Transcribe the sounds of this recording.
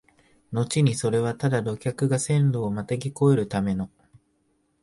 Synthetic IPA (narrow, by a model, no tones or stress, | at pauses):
no̞t͡ɕiɲ̟iso̞ɾe̞β̞at̪ad̪ad̪o̞kʲakɯ̟ɡasẽ̞nɾo̞ːmat̪aɡʲiko̞eɾɯ̟t̪ame̞no̞